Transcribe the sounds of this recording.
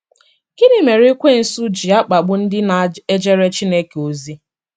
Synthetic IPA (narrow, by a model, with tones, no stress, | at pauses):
kɪ˦nɪ˨me˨ɾi˦kʷe˦˨n̩˨su˦d͡ʒi˨a˦k͡pa˨ɡ͡bʊ˦n̩˦dɪ˦na˨e˦d͡ʒe˦ɾe˦t͡ʃi˦ne˦ke˨o˨zi˦